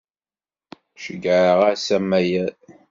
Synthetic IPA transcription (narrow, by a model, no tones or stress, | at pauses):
ʃəɡʕʁasæmːæjæ